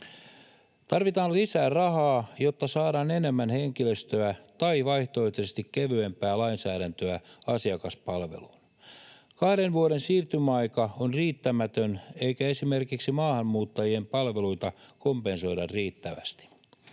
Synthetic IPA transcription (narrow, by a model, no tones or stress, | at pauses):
t̪ɑrʋit̪ɑːllisæːrɑhɑːjo̞t̪ːɑsɑːɾɑːne̞ne̞mːænheŋkiløst̪øæt̪ɑiʋɑiht̪oit̪ːisest̪ikkeʋyempæːlɑinsæːɾænt̪øæɑsiɑkɑspɑlʋḛluːn | kɑhde̞nʋuoɾensiːrt̪ymæɑjkɑonriːt̪ːæmæt̪øne̞ikæe̞sime̞rkiksimɑːhɑmːuːt̪ːɑjiempɑlʋe̞luit̪ɑko̞mpe̞nso̞jdɑrriːt̪ːæʋæ̰st̪i̥